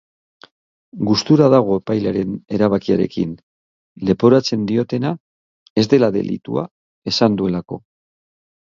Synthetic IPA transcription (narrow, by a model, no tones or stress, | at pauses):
ɡust̪uɾaðaɣ̞o̞epajlaɾe̞ne̞ɾaβakiaɾe̞̰kḭn | le̞po̞ɾat͡se̞nd̪io̞t̪e̞na | e̞zd̪e̞laðe̞̰lḭt̪ṵa̰ | e̞sand̪ue̞lako̞̰